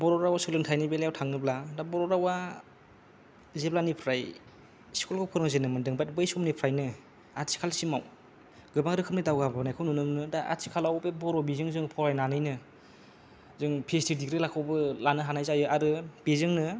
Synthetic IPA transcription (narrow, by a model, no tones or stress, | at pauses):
bɔɾɔɾawasɯlɯntʰajnibelajawtʰaŋnɯbladabɔɾɔɾawa | zeblanipʰɾaj | skulkɯpʰɔɾɯŋzenɯmɯndɯŋbat̚bɯjsɔmnipʰɾajnɯ | atsi̥kʰalsimaw | ɡɯbaŋɾɯkʰɯmnidawɡabnajkʰɯwnunɯŋnɯdaʔa̰tsʰi̥kʰalawbebɔɾɔbizɯŋzɯŋpʰɔɾajnanɯjnɯ | zɯŋpʰestidiɡɾilakʰawbɯlanɯɦanajzajɯʔaɾɯb̥ezɯŋnɯ